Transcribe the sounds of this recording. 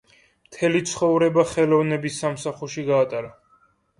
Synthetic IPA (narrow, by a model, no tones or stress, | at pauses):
mt̪ʰɛlit̪sʰχɔvɾɛbaχɛlɔvnɛbisːamsaχuɾʃiɡaːt̪ʼaɾa